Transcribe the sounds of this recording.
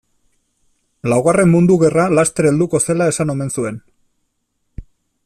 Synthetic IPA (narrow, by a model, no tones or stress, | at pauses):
lawɣare̞mmund̪uɣe̞ralast̪e̞ɾe̞ld̪uko̞se̞lae̞sano̞me̞nsue̞n